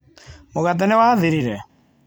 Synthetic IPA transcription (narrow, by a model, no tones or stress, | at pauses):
moɣat̬ɛnewaːðeɾiɾɛ